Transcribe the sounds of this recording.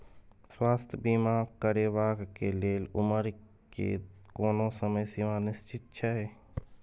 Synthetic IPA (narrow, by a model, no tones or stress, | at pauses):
swaːst̪ʰbiːmakəɾeʋaːɡkeleːlʊ̰məɾ | kḛkoːnosəməjsimãnɪst͡ʃɪt̪̚t͡ʃʰaɦɛː